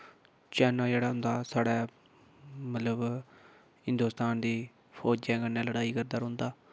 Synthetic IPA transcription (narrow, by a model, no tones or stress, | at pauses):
t͡ʃɛːnaːd͡ʒɛːɽaːɦʊ̃nd̪aːsaːɽɛː | mət̪ləb | hɪ̃nd̪oːst̪aːnd̪iː | pʰɔːd͡ʒɛ̃ːkənːẽːləɽaːiːkəɾd̪aːɾɦʊ̃nd̪aː